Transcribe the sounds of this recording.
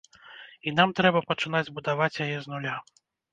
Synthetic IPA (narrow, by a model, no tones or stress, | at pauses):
inamt̪ɾɛbɐpɐt͡ʂɨnad͡zʲbud̪avat͡sʲjajɛznulʲa